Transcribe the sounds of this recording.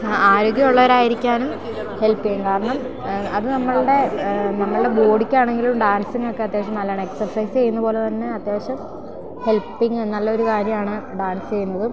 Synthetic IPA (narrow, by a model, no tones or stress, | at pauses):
aːɾo̞ːɡjɐmuɭːɐʋɐɾaːjiɾikʲːaːnum | he̞lpːiemkaːɾɐɳɐm | ɐðɨnɐmːɐɭɽe̞nɐmːɐɭɨɽe̞ɡo̞ːɽikʲːaːɳe̞ŋɡilumɖaːnsiŋːokːe̞ɐt̪ːjeːʋɐɕɐmnɐlːaːɳeksɐrsɐjst͡ɕe̞jːunːɐpo̞ːle̞t̪ɐnːe̞ɐt̪ːjeːɕɐm | he̞lpːiŋɡenːɐlːɐo̞ɾukaːɾjɐmaːɳɨɖaːnsɨt͡ɕe̞jːunːɐðɨ